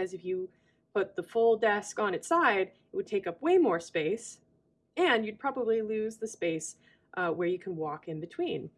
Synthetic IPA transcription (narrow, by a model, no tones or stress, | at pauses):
ɨzɨfjɨ | pʰʊt̪̚ðəfʊlˠdɛskn̩ɨtsaɪɾ | ʔ̚wɨd̚tʰeɪkʌpweɪmɔɹspeɪs | ɨ̃njɨd̚pʰɹ̥ɑbəblilʉzðɨspeɪs | ʔwə˞jɨkʰn̩wɔkɨ̃nbɨtʰw̥ĩn